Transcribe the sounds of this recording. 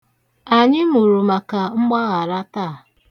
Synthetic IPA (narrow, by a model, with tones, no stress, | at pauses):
a˨ɲɪ˦mu˨ɾu˨ma˨ka˨ŋ͡m̩˦ɡ͡ba˦ɣa˨ɾa˦taː˦˨